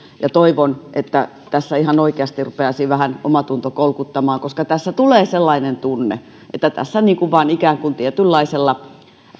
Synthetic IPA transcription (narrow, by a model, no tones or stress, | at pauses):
jɑt̪oiʋonʔet̪ːæ | t̪æsːæihɑnoikeɑst̪irrupeɑsiʋæhænomɑt̪unt̪okolkut̪ːɑmɑːŋkoskɑt̪æsːæt̪uleːselːɑinent̪unːḛ | ʔḛt̪ːæt̪æ̰sːæniːŋkuʋʋɑːnikæːŋkunt̪iet̪ylːɑiselːɑ